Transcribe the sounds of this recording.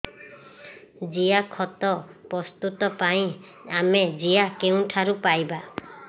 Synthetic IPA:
d͡ʒijakʰɔt̪ɔpɾɔst̪ut̪ɔpaĩ | amed͡ʒijakeũʈʰaɾupajba

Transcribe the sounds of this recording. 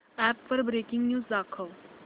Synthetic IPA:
ɛːpfəɾbɾeːkɪ̃ŋɡnjuːzd̪aːkʰəl

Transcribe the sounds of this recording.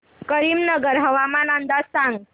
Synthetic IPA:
kəɾiːmnəɡəɾɦəʋamanənd̪asãŋɡ

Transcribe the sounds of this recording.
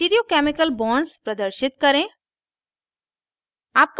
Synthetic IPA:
iːɾiokɛːmɪkəlbɔ̃ːnɖspɾɐd̪əɾʃɪt̪kɐɾẽ | aːp̚k

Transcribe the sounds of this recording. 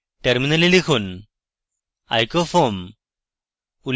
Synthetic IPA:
ʈeɾminalilikʰuːn | a̰jkofom | ul

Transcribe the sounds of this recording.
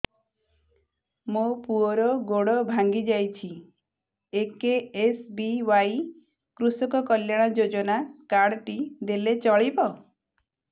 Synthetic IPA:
mopuɔɾɔɡoɽɔbʱaŋɡid͡ʒajt͡ʃʰi | ekeesbiwaj | kɾusɔkɔkɔljaɽ̃ɔd͡ʒod͡ʒɔnakaɽʈid̪elet͡ʃɔɭibɔ

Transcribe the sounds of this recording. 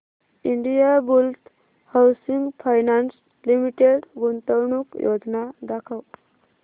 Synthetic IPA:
iɳɖijabult̪ | hawsiŋɡfʰajnans | limiʈeɽɡunt̪əwɳukjod͡znad̪akʰəw

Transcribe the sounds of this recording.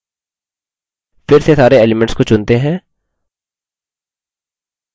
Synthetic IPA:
fɪɾsesaːɾeeːlɪmɛ̃ɳʈskot͡ʃʊ̃nt̪eɦɛ̃ː

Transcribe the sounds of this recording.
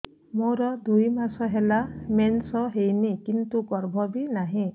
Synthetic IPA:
moɾɔd̪ujmasɔɦelamensɔɦejnikint̪ukɔɾbʱɔbinaɦĩ

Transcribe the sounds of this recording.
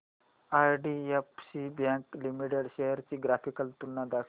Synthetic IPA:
ajɖiefsibjãklimiʈeɽɕejəɾt͡ɕiːɡɾafikəlt̪unːad̪a

